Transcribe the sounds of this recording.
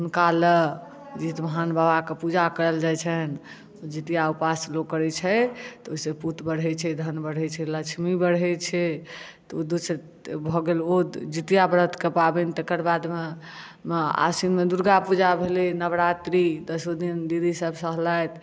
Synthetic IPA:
ɦunkalə | d͡ʒit̪məɦanbabakepud͡ʒakəɾəld͡ʒajt͡ʃʰɛn | od͡ʒit̪ijaupaslokəɾɛt͡ʃʰɛt̪ɔoiseput̪bəɽɦɛt͡ʃʰɛd̪ʱənbəɽ̤ɛt͡ʃʰɛlət͡ʃʰmibəɽɦɛt͡ʃʰɛ | t̪ɔod̪usəɾ | bʱɔɡelod͡ʒit̪ijabəɾət̪ʰkepabɛnit̪ekəɾbad̪me | a̰sinmed̪uɾɡapud͡ʒabʱelinəβɾat̪ɾid̪əsod̪ind̪iɾisəbʱsəɦlajt̪

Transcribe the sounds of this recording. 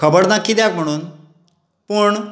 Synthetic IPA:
kʰəbəɽnakʰːid̪jakm̤əɽ̃uːn | pəɳ

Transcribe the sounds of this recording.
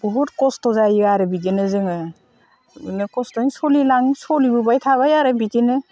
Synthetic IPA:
buɦut̚kɔstɔzajaɾɯbidinɯzɯŋɯ | nɯkɔstɔiŋsɔlilaŋsɔlibubajtʰaβajaɾɯbitinɯ

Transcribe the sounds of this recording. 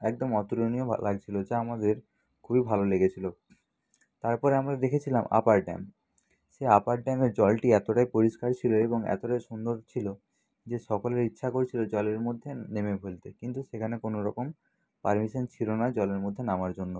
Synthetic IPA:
ɛk̚d̪omɔt̪uloniolaɡ̚t͡ɕʰilod͡ʑaamad̪eɾ | kʰubibʱaloleɡet͡ɕʰilo | t̪aɾpɔɾeamɾad̪ekʰet͡ɕʰilama̰paɾɖa̰m | ʃeapaɾɖameɾd͡ʑɔlʈiɛt̪oʈajpoɾiʃkaɾt͡ɕʰiloeboŋɛ̰t̪oʈajʃund̪oɾt͡ɕʰilo | d͡ʑeʃɔkoleɾitːʃʰakoɾt͡ɕʰilod͡ʑɔleɾmod̪ʱːenemefelt̪ekint̪uʃekʰanekonoɾɔkom | paɾmiʃont͡ɕʰilonad͡ʑɔleɾmod̪ʱːenamaɾd͡ʑonːo

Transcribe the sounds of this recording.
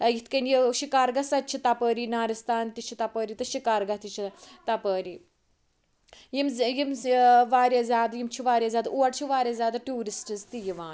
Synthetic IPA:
jit̪ʰkɐnjiʃikaːɾɡɐsɐtːt͡ʃʰit̪ɐpəːɾinaːɾist̪aːnt̪it͡ʃʰit̪ɐpəːɾit̪ɐʃikaːɾɡɐt̪it͡ʃʰit̪ɐpəːɾi | jimzjimʋaːɾjɐzʲaːd̪jimt͡ʃʰiʋaːɾʲjazʲjaːd̪uɐʈt͡ʃʰiʋaːɾʲɐzʲjaːd̪aʈuːɾisʈɨzt̪ijiʋaːn

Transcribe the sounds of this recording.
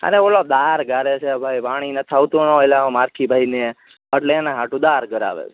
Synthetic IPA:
ə̰neolod̪aɾɡaɾet͡ʃʰeabʱajpaɽ̃inət̪ʰawt̪onɔelẽmaɾkʰibʱaine | əʈleːnãɦaʈũd̪aɾɡəɾa̰ʋḛt͡ʃʰ

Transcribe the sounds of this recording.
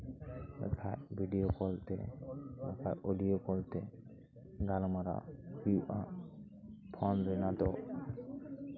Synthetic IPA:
ɛ̰kʰaʔbʱiɖijokɔlt̪ɛ̰ | akʰaʔolijokɔlt̪ɛ | ɡalmaɾa̰hijuʔa | pʰɔnɾɛnad̪ɔʔ

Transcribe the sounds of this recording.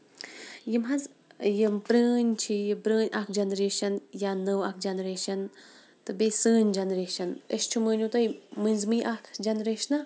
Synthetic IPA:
jimɦɐz | jəmpɾəːnʲt͡ʃʰijbɾəːnʲakʰd͡ʒɐnɾeːʃɐnjanəwak̚ʰd͡ʒɐnɾeːʃɐn | t̪ɨbesɨːnʲd͡ʒɐnɾeːʃɐnəʃt͡ʃʰumɨːnʲut̪ɐjmɨnʲzmɨjʔakʰd͡ʒɐnɾeːʃnɐ

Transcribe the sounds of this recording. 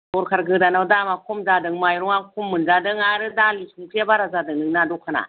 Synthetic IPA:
bɔɾkʰaɾɡɯdanawdamakʰɔmzadɯŋmajɾɔŋakʰumːɯnzadɯŋaɾɯdalisʰuŋkʰijabaɾazadɯŋnɯŋnadɔkʰana̰

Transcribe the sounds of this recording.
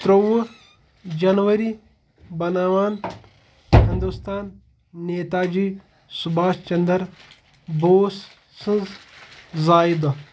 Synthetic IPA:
t̪ɾɐwɐ | d͡ʒɐnʋɐɾi | bɐnaːʋaːn | hɪnd̪ust̪aːnː | eːt̪aːd͡ʒiː | subaːst͡ʃɐnd̪ɐɾ | boːs | sɨnz | zaːid̪

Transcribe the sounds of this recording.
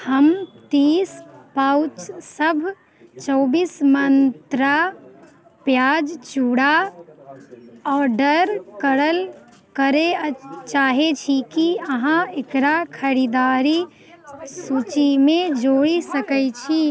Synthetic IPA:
həmt̪ispaut͡ʃsəbʱ | t͡ʃɔːbiːsmənt̪ɾa | pjad͡ʒt͡ʃuɽa | ɔːɾɖəɾkəɾəl | kəɾet͡ʃaɦet͡ʃʰikiəɦãekɾakʰəɾid̪aɾi | sut͡ʃimẽd͡ʒoɽisəkət͡ʃʰi

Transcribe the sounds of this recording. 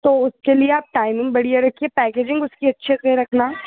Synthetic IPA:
t̪oːʊskelieaːp̚ʈaːɪmɪ̃ŋbɐɽijaɾɐkʰiepɛːkeːd͡ʒɪ̃ŋɡʊskiɐtːʃʰeseɾɐkʰna

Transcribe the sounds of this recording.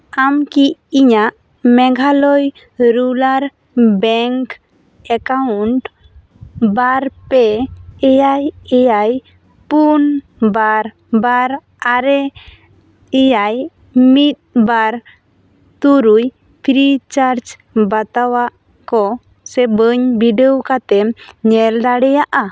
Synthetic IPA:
amkiiɲaʔ | mɛɡʱalɔj | ɾulaɾ | bɛŋk | ɛkauɳʈ | baɾpɛɛjajɛjaj | pun | baɾ | baɾ | aɾɛ | ɛjaj | mit̪̚baɾ | t̪uɾuj | t̪ʰɾit͡ʃaɾt͡ʃ | bat̪awaʔ | kɔ | sɛbəɲbiɖeokat̪ɛmɲɛld̪aɽɛjaʔa

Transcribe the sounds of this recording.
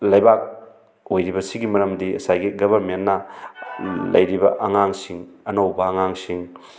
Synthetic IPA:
lɐjbak̚ | ojɾibɐsiɡimɐɾɐmdiɐ̰sajɡiɡɐbɐɾmenːɐ | lɐ̰jɾibɐ̰ʔɐŋaŋsiŋɐnowbɐːŋaŋsiŋ

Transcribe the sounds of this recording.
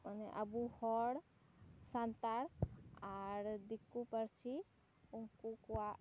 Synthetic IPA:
məneʔəbuhɔɽ | sant̪aɾaɾd̪ikːupəɾt͡ʃʰi | uŋkukuwa

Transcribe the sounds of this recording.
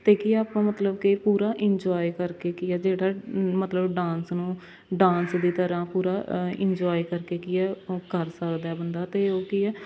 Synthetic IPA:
t̪eːkiaːpãːmət̪ləbkɪpuːɾaːʔɪɲd͡ʒɔːikəɾkeːkiɛːd͡ʒeːɽaːmət̪ləbɖãːnsnũː | ɖãːnsd̪iːt̪əɾãːpuːɾaːɪ̰ɲd͡ʒɔːikəɾkeːkiːɛːkəɾsəkd̪aːɛːbənd̪aːt̪eːoːkiɛː

